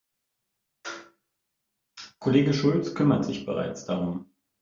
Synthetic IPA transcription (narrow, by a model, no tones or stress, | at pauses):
kʰoleːɡəʃʊlt͡skʰʏmɐtz̥ɪçb̥əʁa̰ɪt͡sd̥aʁʊm